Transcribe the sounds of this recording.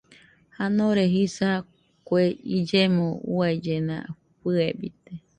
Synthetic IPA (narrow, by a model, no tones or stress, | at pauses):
hanõɾeɦisa | kweid͡ʒemõuaid͡ʒenã̰ | ɸɨebit̪e